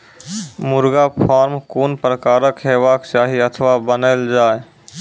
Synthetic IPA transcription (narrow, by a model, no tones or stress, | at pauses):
mʊɾɡapʰaːɾmkoːnpɾəkaːɾəkɦeːʋaːkt͡ʃaːɦiət̪ʰəʋabənəːld͡ʒaːe